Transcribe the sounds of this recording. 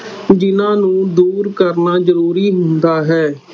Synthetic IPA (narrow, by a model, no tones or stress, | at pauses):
d͡ʒɪnãːnũːd̪uːɾkəɾnaːd͡ʒəɾuːɾiːɦʊnd̪aːɦɛː